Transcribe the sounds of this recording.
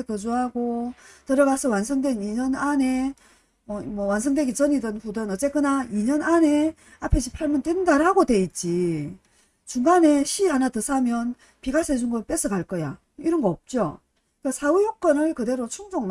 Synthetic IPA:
ekɯd͡ʑuɦaɡotɯɾʌɡasʰʌwansʰʌŋdweniɲʌnane̞ | mʌmʌwansʰʌŋdweɡit͡ɕʌɲidɯnɸudɯnʌt͡ɕ͈e̞k͈ɯnaiɲʌnane̞ | apʰe̞ɕʰi̥pʰaɭmʌndwe̞ndaɾaɡodwe̞it̚t͡ɕ͈i | t͡ɕuŋɡane̞ɕʰiɦanatɯsʰamjʌn | piɡasʰʌed͡ʑuŋɡʌp͈e̞s͈ʰɯkaɭk͈ʌja̰ | iɾʌnɡʌʌp̚t͡ɕ͈o | kasʰaujok͈ʌnɯɭkɯde̞ɾot͡ɕʰuŋd͡ʑoŋm

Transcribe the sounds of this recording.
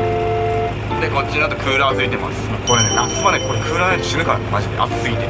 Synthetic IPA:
ond̪eko̞t͡ɕːiɲd̪at̪o̞kʰɯːɾɯazɨit̪e̞ma̰sɨ̥ | ko̞ɾenenat͡sɨβaneko̞ɾekʰɯ̟ːɾɯaze̥sɨɾɯ̟kaɾa̰nemaʑimḛʔa̰sɨit̪e

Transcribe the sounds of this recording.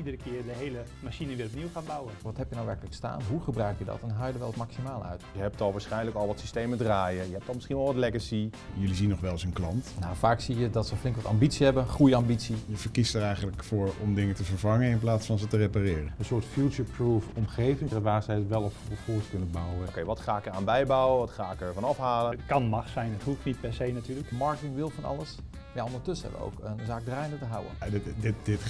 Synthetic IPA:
idəɾəkɪːɹdəɦejlə | maʃinəʋɪːrɔp̚niwχaːnbawənʋɑthɛpjənawʋɛɹkələksta̰ːnɦuχəbrœɥkjədɑ̰tɛnɦajdəʋɛlˠətmaksimaːlˠœ̰ɥtjəɦɛp̚tɔlˠʋaːsχɛjnləkɑlˠʋɑtsistejmədraːjəjəɦɛp̚tɔlmɪsχinʋɛlˠʋɑtlɛɡəsi | jɵlizinːɔχʋɛlˠsənklɑntnawfaːksijədɑtsəflɪŋkʋɑtɑ̰mbitsiɦɛbənχrujəambitsijəvəɹkistəɹɛjχənləkfʊːɹɔmdɪŋətəvəɹvɑŋənɪnplaːtsfɑnzətəreparɪːrənənsʊːtfjut͡ʃəɹpruːfɔmχejvɪŋəʋaːsəətʋɛlˠɔpɔfɔːskɵnəbawəokejʋɑtχaːɪkəɹaːnbɛjbawəʋɑtχaːɪkəɹvɑnɑfɦaːlətkɑnmɑχsɛjnɦətɦuftnit̚pɛɹsejnatyːɹləkmɑɹkətɪŋʋɪlˠfɑnɑ̰ləs | maːondəɹtɵsəɦɛ̰bʋə̰o̰wkənzaːk̚draːjndətəɦʌwə̰adɪdɪtdɪt

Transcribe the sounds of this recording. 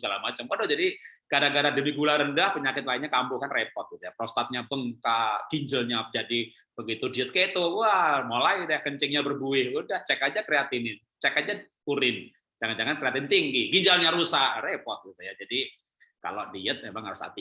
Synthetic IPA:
səɡalamat͡ʃamkodʊhd͡ʒadikadaɡadadəmiɡulaɾəndahpəɲakɪt̪̚lainɲakambʊhkanrepɔ̰t̪̚ɡit̪ujapɾost̪at̪̚ɲabəŋkaɡ̥iɲd͡ʒəlɲad͡ʒadi | bəɡit̪udiət̪̚ket̪uuamolaidahkəɲt͡ʃɪŋɲabərbuɪhudaht͡ʃɛkad͡ʒakɾeat̪inɪn | t͡ʃɛkat̪̚d͡ʒa | uɾɪn | d͡ʒaŋand͡ʒaŋankɾeat̪ɪnt̪ɪŋɡɪɡiɲd͡ʒalɲaɾusarepɔt̪̚ɡit̪ujad͡ʒadi | ka̰lodiət̪̚ɲabaŋaɾusa̰t̪i

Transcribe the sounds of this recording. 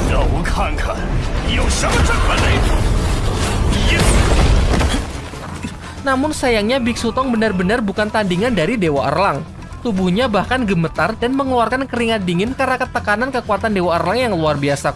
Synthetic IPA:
jawkʰaŋkʰajaʃawt͡ʃakpadait̪u | jɛ | namʊnsajaŋɲabɪk̚sut̪ɔŋbənarbənarbukant̪andiŋandaɾidewaʔə̰rlaŋ | t̪ubuhɲabahkanɡəmət̪ardanməŋluarkankəɾiŋadiŋɪnkəɾakət̪ːəkanankəkuat̪andewaərlaŋjaŋluarbiasa

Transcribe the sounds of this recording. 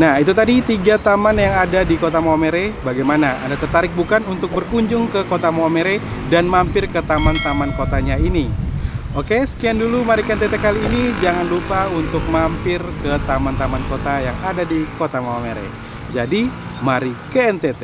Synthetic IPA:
nahit̪ut̪adit̪iɡat̪amanjaŋadadikot̪amaameɾebaɡajmanaa̰ndat̪ərt̪aɾɪk̚bukanunt̪ʊk̚bərkuɲd͡ʒʊŋkəkot̪amameɾedanmampɪrkət̪amant̪amankot̪aɲaini | okesə̥kiandulumaɾikəɛnt̪ɛt̪ɛkaliːnid͡ʒaŋanlupaunt̪ʊk̚mampɪrkət̪amant̪amankot̪ajaŋadadikot̪amaameɾḛ | d͡ʒadimaɾikəɛnt̪ɛt̪ɛ

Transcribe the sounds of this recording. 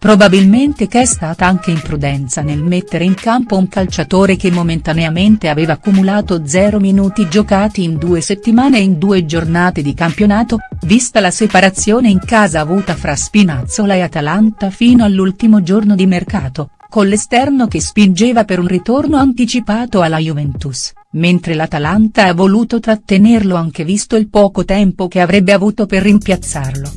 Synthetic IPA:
pɾobabilment̪ekɛst̪aːt̪aaŋk̟eimpɾud̪ɛnt̪sanelmet̪ːeɾeiŋkampouŋkalt͡ʃat̪oːɾekemːoment̪aneament̪eaveːvaːkːumulaːt̪od̪zɛːɾominuːt̪id͡ʒokaːt̪iːnd̪uːeset̪ːimaːneind̪uːed͡ʒornaːt̪ed̪ikampjonaːt̪ovist̪alasepaɾat̪sːjoːneiŋkaːzaːvuːt̪afɾaspinat̪sːolaeat̪alant̪afiːnoalːult̪imod͡ʒornod̪imerkaːt̪o | konlest̪ɛrnokespind͡ʒeːvapeɾunrit̪ornoant̪it͡ʃipaːt̪oalːajuvɛnt̪us | ment̪ɾelat̪alant̪aavːoluːt̪ot̪ɾat̪ːenerloaŋk̟evist̪oilpɔːkot̪ɛmpok̟eavɾɛbːeavuːt̪operːimpjat̪sːarlo

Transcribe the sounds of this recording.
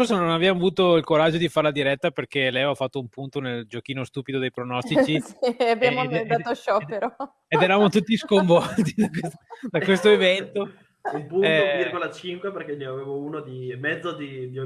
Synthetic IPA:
orsanonavɛamavuːt̪oilkoɾad͡ʒːod̪ifaɾlad̪iɾɛt̪ːaperkelɛjafːat̪ːoumpunt̪oneld͡ʒok̟iːnost̪uːpid̪od̪ejpɾonɔst̪it͡ʃisabːjamoamnt̪aoʃɔpeɾɔ | ed̪ɛɾavamot̪ut̪ːiskoɱvɔlt̪id̪akwesd̪akwest̪oevɛnt̪o | umpuɛovirɡolat͡ʃiŋkweperkeneaveːvounod̪imːɛd̪zːod̪imjo

